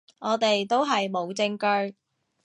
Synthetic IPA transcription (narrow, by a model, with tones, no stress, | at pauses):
ŋɔː˨˧t̪e˨jt̪o˥wɦɐ˨jmo˨˧wt͡sɪ˧˥ŋkɵ˧˥ɥ